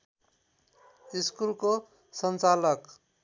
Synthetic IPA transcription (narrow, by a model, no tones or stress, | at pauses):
iskulko | sʌnt͡salʌk